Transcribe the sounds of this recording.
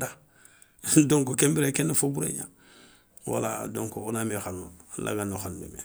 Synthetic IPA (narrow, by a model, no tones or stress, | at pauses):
da | dõŋkokẽmbeɾekenːefobuɾḛɲã̰ | wa̰la̰dõŋkoonamexanula̰ɡanoxanubḛmḛ